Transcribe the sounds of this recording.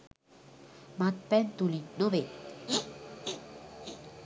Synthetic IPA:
mat̪̚pɛnt̪ulinoʋe

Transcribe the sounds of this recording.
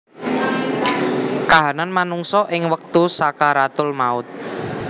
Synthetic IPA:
kaɦananmanuŋsɔʔɪŋwək̚t̪usakaɾat̪ʊlmaʊt̪̚

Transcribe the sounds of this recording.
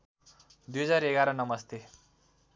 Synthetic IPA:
d̪ujɦʌd͡zaɾeɡaɾʌnʌmʌst̪e

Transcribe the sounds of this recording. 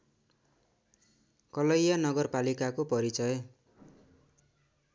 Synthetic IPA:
kʌlʌjjanʌɡʌrpalikakopʌɾit͡sʌj

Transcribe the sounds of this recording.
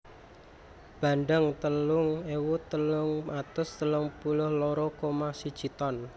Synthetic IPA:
b̥a̤nɖəŋt̪əlʊŋewut̪əlʊŋmat̪ʊst̪əlʊŋpulʊhloɾɔkomasid̥ʒ̥it̪ɔn

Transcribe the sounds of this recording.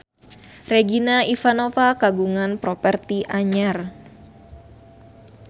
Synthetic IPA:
rɛɡinaifanofakaɡuŋanpɾɔpɛrt̪iʔaɲar

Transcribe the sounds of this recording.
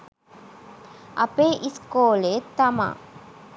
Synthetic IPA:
ɐpeːʔiskoːleːt̪ːɐma̰ː

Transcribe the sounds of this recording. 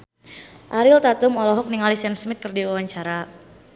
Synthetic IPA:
ʔaɾɪlt̪at̪umɔlɔɦɔk̚niŋalisɛmsmɪt̪̚kərdiwawaɲt͡ʃaɾa

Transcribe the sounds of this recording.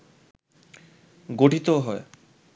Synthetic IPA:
ɡoʈʰit̪oɦɔe

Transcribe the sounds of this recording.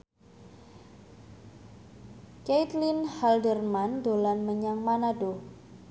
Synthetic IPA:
kejt̪linhaldərmandolanməɲaŋmanado

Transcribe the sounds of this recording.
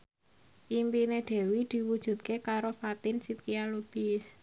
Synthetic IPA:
ʔimpined̪̥e̤wid̪̥i̤wud̥ʒ̥ṳt̪̚kekaɾofat̪ɪnsit̪̚kialob̥ɪs

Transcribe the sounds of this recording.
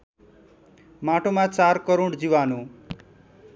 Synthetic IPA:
maʈomãt͡saɾkʌɾoɽd͡ziwanu

